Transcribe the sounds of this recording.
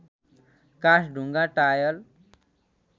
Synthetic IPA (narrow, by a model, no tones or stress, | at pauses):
kasɖʱuŋɡaʈajʌl